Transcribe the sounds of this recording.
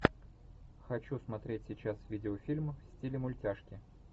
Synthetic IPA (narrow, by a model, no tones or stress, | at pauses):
xɐt͡ɕusmɐt̪ɾʲetʲsʲɪt͡ɕasvʲidʲɪofʲilʲmfsʲtʲilʲɪmʊlʲtʲaʂkʲɪ